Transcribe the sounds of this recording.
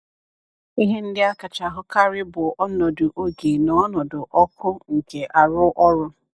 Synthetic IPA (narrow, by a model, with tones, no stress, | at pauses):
i˦ɦe˦n̩˦dɪ˦a˦ka˨t͡ʃa˨ɦʊ˦ka˦ɾɪ˦bʊ˨ʔɔ˦nɔ˨dʊ˨ʔo˦ɡe˨nɔ˦nɔ˨dʊ˨ʔɔ˦kʰʊ˦ŋ̩˨ke˨ʔa˨ɾʊ˦ʔɔ˦ɾʊ˦